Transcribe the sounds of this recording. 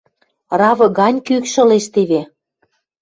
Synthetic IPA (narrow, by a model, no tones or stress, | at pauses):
rɑvɤ̆ɣɑnʲkykʃɤ̆leʃt̪eβe